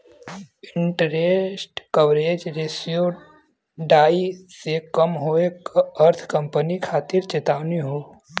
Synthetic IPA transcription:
ɪɳʈəɾesʈkəʋɾeːd͡ʒɾeːsijo | ɖaːisekəmɦoeəɾt̪ʰkə̃mpənikʰaːt̪ɪɾt͡ʃet̪aːʋniɦoː

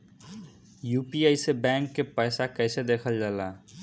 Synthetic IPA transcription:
jupiəɪsebɛ̃ŋkːepəɪsakəɪsed̪ekʰəld͡ʒala

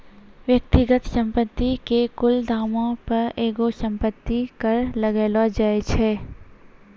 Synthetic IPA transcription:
ʋjək̚t̪ɪɡət̪sə̃mpət̪ːikekʊld̪ʱaːmõpɐɾeːɡosɐ̃mpət̪ːikɐɾlɐɡeːlad͡ʒaːet͡ʃʰeː

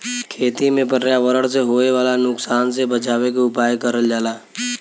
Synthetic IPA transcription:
kʰeːt̪imẽpəɾjaʋəɾəɽs̬eɦoːeʋaːlanʊksaːnsebət͡ʃaːwek̬eʊpaːjkəɾəld͡ʒaːlaː

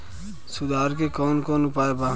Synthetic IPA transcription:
sud̪ʱaːɾkekɔːnkɔːnʊpaeba

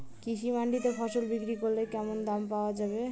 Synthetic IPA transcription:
kisimaɳɖit̪epʰɔsolbikɾikoɾlekɛmond̪ampawad͡ʒaβe

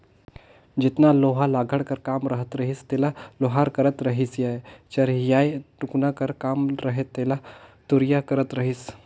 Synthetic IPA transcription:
d͡ʒit̪naloɦalaɡʱəɽkəɾkamɾəɦət̪ɾəɦiːst̪elaloɦaɾkəɾət̪ɾəɦisjajt͡ʃəɾjajʈuknakəɾkamɾəɦet̪ːelat̪uɾjakəɾət̪ɾəɦiːs

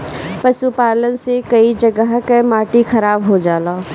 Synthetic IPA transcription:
pɐsupaːlənsekɐid͡ʒɐɡəɦkemaːʈixɐɾaːbɦod͡ʒaːlaː

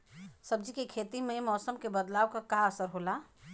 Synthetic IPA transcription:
səb̚d͡ʒikekʰet̪imemɔːsəmkebəd̪laːwkakaəsəɾɦola

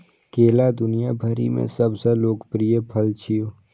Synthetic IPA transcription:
keːlad̪ʊnijabʱəɾḭmḛ̃sɐbsəloːɡpɾijəpʰəlt͡ʃʰijoː

